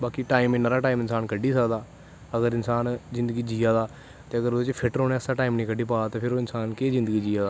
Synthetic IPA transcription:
baːkiʈaːimɪnːaːɾaːʈaːiːmɪnsaːnkəɖːiːsəkd̪aː | əɡəɾɪnsaːnzɪ̃nd̪əɡiːd͡ʒiːaːd̪aː | t̪eːəɡəɾod̪et͡ʃpʰɪʈɾoːnẽːəsaːʈaːimnĩːkəɖiːpaːat̪eːpʰɪɾoːɪnsaːnkezɪ̃nd̪əɡiːd͡ʒiːaːd̪aː

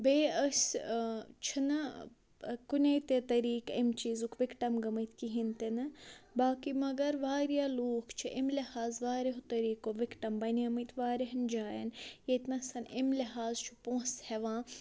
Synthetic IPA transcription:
beːɐsʲ | t͡ʃʰinɐ | kunʲɐjt̪et̪ɐɾiːkimt͡ʃiːzukʋɪkʈɐmɡɐmɐjt̪kiɦint̪inɨbaːkimɐɡɐɾʋaːɾjaːloːkʰt͡ʃʰiʔimlɐhaːzʋaːɾeɦot̪ɐɾiːkoʋɪkʈɐmbɐnjɐmɐjt̪ʋaːɾeɦɐnd͡ʒaːjɐ̰njet̪nɐsɐnimliɦaːzt͡ʃʰu̥põːsheʋãː

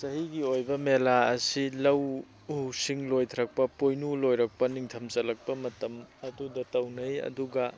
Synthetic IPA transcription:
sɐɦiɡiojbɐmelaɐsilɐw | husiŋlojtʰɐɾɐk̚pɐpojnulojɾɐk̚pɐniŋtʰɐmt͡ʃɐlɐk̚pɐmɐtɐmɐdudɐtɐwnɐjɐ̰duɡɐ

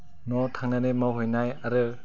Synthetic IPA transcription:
nɔtʰaŋnanemawɦɔjnajaɾɯ

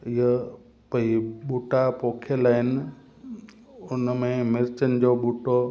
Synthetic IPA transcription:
ɪɦə | pɐiɓʊʈapoːkʰelaːɪnɪ̆ | ʊnmẽmɪɾt͡ɕənɪ̆d͡ʑoːɓʊʈo

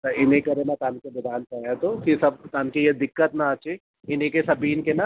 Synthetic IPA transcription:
t̪ɐɪnẽkɐɾenat̪aːnkebɐd̪ʱaːnpɐjat̪okesɐb̚t̪aːnkejed̪ɪkːət̪naɐt͡ʃe | ɪnẽkesɐbiːnkena

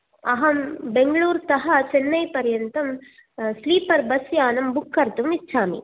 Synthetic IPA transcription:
ɐɦɐmbeŋɡɐɭuːɾt̪ɐɦɐ̆t͡ʃenːɐjpɐɾjɐnt̪ɐm | sliːpɐɾbɐsjaːnɐmbukʰːɐɾt̪umit͡ʃʰaːmḭ

